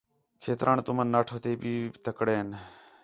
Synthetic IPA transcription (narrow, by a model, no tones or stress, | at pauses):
kʰeːt̪ɾʔaːnt̪ʊmənːaːʈʰoːt̪eːɓiːt̪əkɽeːn